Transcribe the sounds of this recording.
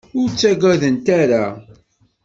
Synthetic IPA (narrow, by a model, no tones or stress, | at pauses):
ʊɾt͡sːæɡæðənt̪æɾa